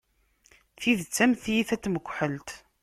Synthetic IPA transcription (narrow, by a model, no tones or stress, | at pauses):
θiðt͡sːæmθjiθæt͡sːməɡʷħəlt̪